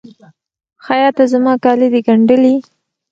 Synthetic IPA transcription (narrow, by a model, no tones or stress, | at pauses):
xajɑt̪azamɑkɑlid̪iɡaɳɖəli